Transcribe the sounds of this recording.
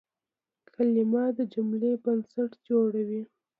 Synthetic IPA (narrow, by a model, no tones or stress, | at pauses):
kʰalimɑd̪əd͡ʒʊmlebansaʈd͡ʒoɽawi